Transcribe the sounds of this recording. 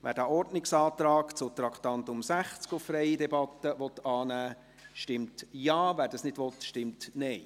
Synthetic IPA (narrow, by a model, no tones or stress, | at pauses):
ʋæ̰ːɾdæʔɔrdnɪksɑːt̪ɾɑːkt͡sʊt̪ɾɑkʰt̪ɑnt̪ʊmsæχt͡skʊffɾɛjidɛbɑt̪əʋɔt̪ɑːnæː | ʃtɪmtjɑːvæːɾdɑsnɪd̥ʋɔt̪ʃtɪmtnɛɪ